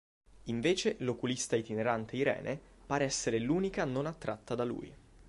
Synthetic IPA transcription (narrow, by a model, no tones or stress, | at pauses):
iɱveːt͡ʃelokulist̪ait̪ineɾant̪ʰeiɾɛ̰ːnʔepaːɾeɛsːeɾeluːnikanonat̪ːɾat̪ːad̪alṵːj